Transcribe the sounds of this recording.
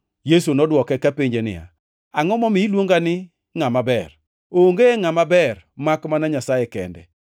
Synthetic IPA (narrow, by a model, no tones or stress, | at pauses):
jesunɔdwɔkɛkapɪɲd͡ʒenɪ̰ja̰ | aŋɔmɔmɪilwoŋɡanɪ | ŋamabɛr | oŋɡeeŋamabɛr | makmanaɲasajɛkɛ̰ndɛ̰